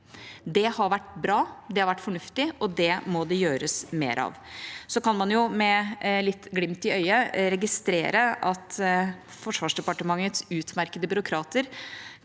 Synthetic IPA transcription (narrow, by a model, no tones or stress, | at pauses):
d̪ɛhɑɾʋæʈːbɾɑːd̪ɛhɑɾʋæʈːfɔɳʉft̪ɪʔɔd̪ɛmɔd̪ɛjøːɾəsmḛːɾʔɑ̰ʋsɔkɑnmɑnjʊmɛlɪt̪ːɡlɪmt̪ɪœʏəɾɛɡɪst̪ɾeːɾəʔɑt̪ | fɔʂʋɑːʂɖɛpɑʈəmɑŋːət̪sʉːt̪mæɾkəd̪əbʏɾʊkʰɾɑːt̪əɾ